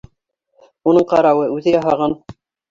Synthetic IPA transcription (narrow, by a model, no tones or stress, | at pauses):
unɤɴqɑɾɑwɤʉðɘjɑɦɑʁɑn